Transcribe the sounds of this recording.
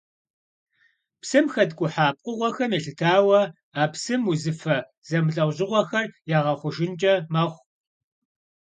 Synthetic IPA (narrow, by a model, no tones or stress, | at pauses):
psɨmxɐdɡʷʼʊħaːp̚ʼqʼʊʁʷɔxɐmjɛɬɨtʰaːwɐ | aːpsɨmuzɨfɐ | z̥ɐmɨɬʼɐwʑɪʁʷɔxɐrjaːʁɐχʷʊʒɪnt͡ʃʼɐmɐʁʷ